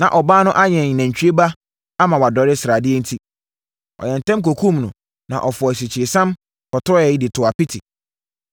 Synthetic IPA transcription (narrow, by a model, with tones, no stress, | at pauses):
nã̰˨ʔɔ˨baː˦nʊ̃˦ʔa˦ɲɛ̃˨ɲ˨næ̃˨ɲ̩˨t͡ɕᶣɥe˦ba˦ | a˦mã˨wa˨dɔ˨˦ɾɪ˦sɾa˨dɪ˦ɛ˦n̩˦tʰi˦ | ɔ̰˨jɛ̃˨n̩˨tʰɛ̃˦mk̬o˨kʰũ˦mnʊ̃˨ | nã˨ʔɔ˨fɔ˨s̬i˨t͡ɕʰɪ˨ɾɪ˨sã˦m | kʰɔ˨tʰɔ˦jɛ˨i˦dɪ˨tʰʊ˨a˨pɪ˦tʰi˨